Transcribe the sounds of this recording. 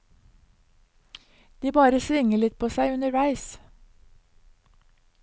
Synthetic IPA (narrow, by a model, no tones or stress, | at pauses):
d̪̥iːbɑːɾəsʋɪŋəlɪt̪̚pʰoːsæɪʉnəʋæɪs